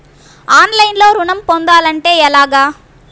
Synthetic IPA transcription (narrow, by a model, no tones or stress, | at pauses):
aːnlɐjnloːɾʊɳɐmpond̪aːlɐɳʈeːɛlaːɡaː